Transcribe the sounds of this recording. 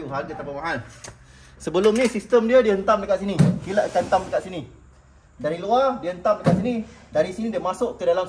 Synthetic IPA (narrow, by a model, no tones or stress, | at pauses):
uɦaɡat̪apamaʔan | səbəlʊmnĩsist̪əmdiədiəɦənt̪amdəkaʔ̪sinĩkilaʔkaənt̪amdəkaʔ̪sinĩ | daɾiluadiəənt̪amdəkaʔ̪sinĩdaɾisinĩdiəmasʊʔkədalam